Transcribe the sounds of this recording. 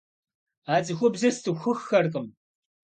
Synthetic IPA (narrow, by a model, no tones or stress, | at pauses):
aːt͡sʼɨxʷʊbzɐstʰɨxʷʊxːɐrqʼɨm